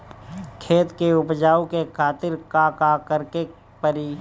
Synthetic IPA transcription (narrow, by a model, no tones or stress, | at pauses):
kʰeːt̪keʊpd͡ʒaːwkekʰaːt̪ɪɾkakakəɾke | pəɾiː